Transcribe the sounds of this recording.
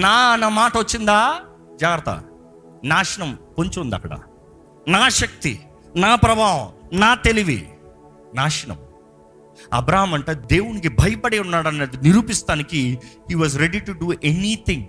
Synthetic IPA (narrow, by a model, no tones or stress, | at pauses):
naːnaːmaːʈɐʋot͡ʃːind̪aː | d͡ʒaːɡɐɾɐt̪ɐ̰ | naːʂɐnɐmkoɲt͡ʃuːnd̪ɐ̰kːɐɽɐ̰ | naːʃɐk̚t̪ḭ | naːpɾɐbʱaːʋɐmnaːt̪e̞liʋḭ | naːʃɐɳɐ̰m | ɐ̰bɾaːɦɐmɐɳʈeːd̪eːwunikibʱɐjɐpɐɽeunːaːɽɐnːeːd̪iniɾuːpist̪aːnikihiːʋɐːzɾeɖiʈuɖuːʔenit̪ʰiŋ